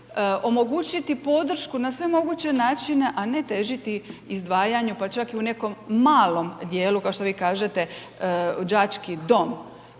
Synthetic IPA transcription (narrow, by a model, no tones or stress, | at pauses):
o̞mo̞ɡuːt͡ɕit̪ipo̞d̪r̩ʃkunasʋe̞mo̞ɡut͡ɕe̞naːt͡ʃine̞ʔane̞t̪e̞ʒit̪iizd̪ʋaːjaɲupat͡ʃakiune̞ko̞mːaːlo̞md̪jeːlukaoʃt̪o̞ʋiːkaːʒet̪e̞ | d͡ʒat͡ʃkid̪o̞m